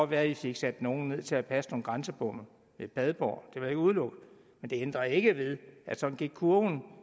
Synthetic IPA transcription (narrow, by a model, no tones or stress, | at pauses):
ɒ̥ʋæɐife̝ɡ̥sæd̥no̝ːn̩ne̝ð̞̰ˠt͡sʰe̝æpʰæsnonɡ̥ʁansəb̥ɔm̰ | ʋeb̥ɛð̞ˠb̥ɒ̰ːd̥e̝ʋɑe̝ɡ̥uðˠlɔ̽ɡ̥əð̩ˠ | mend̥e̝end̥ʁɐe̝ɡ̥əʋe̝ðˠʔæ̥sɒ̥̽n̩ɡ̥iɡ̥kʰuɐn